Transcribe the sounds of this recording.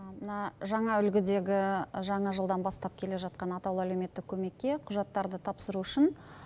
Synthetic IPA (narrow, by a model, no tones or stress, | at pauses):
mənɑʒɑɴɑʏlɡʲɪd̪e̞ɡʲɪʒɑɴɑʒəlˠd̪ɑnbɑst̪ɑp̚kʲʰe̞le̞ʒɑt̪̚qɑnɑt̪ɑwlˠælewme̞t̪ːɪkʲʰɵme̞kʲːe̞qʰʊʒɑt̪ːɑɾd̪ət̪ʰɑpsəɾuʏʃɪn